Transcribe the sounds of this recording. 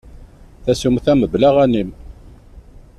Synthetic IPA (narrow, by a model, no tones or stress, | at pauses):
θæsumθæməblaʁænim